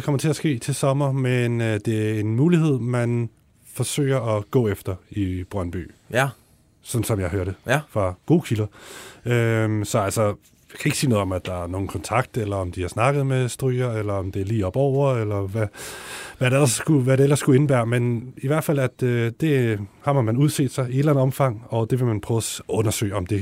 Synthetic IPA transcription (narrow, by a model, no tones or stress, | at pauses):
ekʰɒ̽m̰ɐt͡sʰe̝æsɡ̥e̝̰ːt͡sʰe̝lsɒ̽mɐmenød̥e̝æe̝nmuːlihɦe̝ð̰ˠmæn | fɒ̽sø̰ːɪɐʔɒɡ̥ɔ̰̽ːefd̥ɐib̥ʁɶnb̥y̰ː | sɒ̽nsɒ̽mjɑ̈ɪɦøːɐ̰ɾ̥efʁɑ̈ɡ̥o̝ːkʰilɐømsɒ̽ælsɒ | jɑ̈kʰæe̝ɡ̥siːnɔ̽ð̩ˠɒ̽mæd̥ɑ̈æɐno̝ːn̩kʰɒ̽nt͡sʰɑ̈ɡ̥̚d̥elɐɒ̽md̥iɑ̈snɑ̈ɡ̥ð̞̩ˠmesd̥ʁyːɐelɐɒ̽md̥e̝æɐliːɒ̽b̥ɒʊ̰ɐelɐʋæ | ʋæɾeelɐsɡ̥uʋæɾeel̰ɐsːɡ̥ue̝nəb̥æɐmeniʋæɐ̰d̥fæl̰æd̥d̥e̝hɑ̈mhɑ̈mænuð̞ˠse̝̰ːd̥sɑ̈ɪie̥læn̩ˠɒ̽mfɑ̈ŋ̰ɒ̽d̥e̝ʋe̝mænpʰʁœːʊsɔ̽nɐsø̰ɪɒ̽md̥e̝